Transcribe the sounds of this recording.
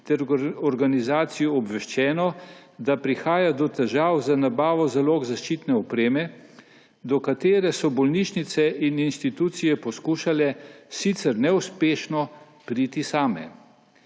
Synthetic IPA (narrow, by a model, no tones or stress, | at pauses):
t̪ɛɾɔɾɡanizaːt̪sijɔɔbʋɛʃt͡ʃɛːnɔd̪apɾixaːjad̪ɔt̪ɛʒaːwzanabaːʋɔzaloːɡzaʃt͡ʃiːt̪nɛɔpɾeːmɛ | d̪ɔkat̪eːɾɛsɔbɔlniʃnit̪sɛʔininʃt̪it̪uːt̪sijɛpɔskuːʃalɛsit̪sɛɾnɛuspeːʃnɔ | pɾiːt̪isaːmɛ̰